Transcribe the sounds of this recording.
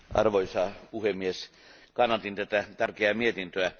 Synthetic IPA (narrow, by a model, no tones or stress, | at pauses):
ʔɑ̰rʋoisɑːpuhemːieskɑnːɑt̪int̪æt̪æt̪ærkeæːmiet̪int̪øæ